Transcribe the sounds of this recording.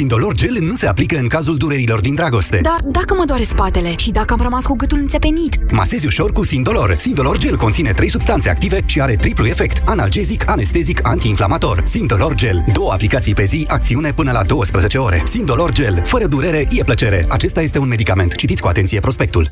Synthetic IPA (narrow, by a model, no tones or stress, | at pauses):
sind̪o̞lo̞rd͡ʒe̞lnuse̞aplikəɨŋkazuld̪uɾeɾilo̞rd̪ind̪ɾaɡo̞st̪e̞d̪ard̪akəməd̪oaɾespat̪e̞le̞ʃid̪akəamrəmaskuɡɨt̪ulɨnse̞pe̞nit̪ma̰sezʲiuʃo̞rkusind̪o̞lo̞̰rsind̪o̞lo̞rd͡ʒe̞lkont̪sine̞t̪ɾe̞jsubst̪ant̪se̞a̰kt̪ive̞ʃiaɾe̞t̪ɾipluje̞fe̞kt̪ana̰ld͡ʒe̞zikʰane̞st̪e̞zikant̪iːnflamat̪o̞̰rsind̪o̞lo̞rd͡ʒe̞ld̪o̞wəa̰plikat̪sijpe̞ziak̚t̪siune̞pɨnəlad̪o̞wəspɾəze̞t͡ʃe̞o̞ɾe̞̰sind̪o̞lo̞rd͡ʒe̞lfəɾəd̪uɾe̞ɾe̞je̞plət͡ʃe̞ɾe̞̰ʔat͡ʃe̞st̪aje̞st̪e̞unme̞d̪ikame̞nt̪t͡ʃit̪it̪sʲkua̰t̪e̞ntsijepɾo̞spe̞kt̪ṵl